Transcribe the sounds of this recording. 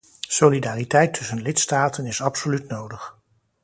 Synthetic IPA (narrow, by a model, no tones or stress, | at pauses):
solidaːritɛjtʰɵsənlɪtstaːtənɪsɑpsolytnowdəχ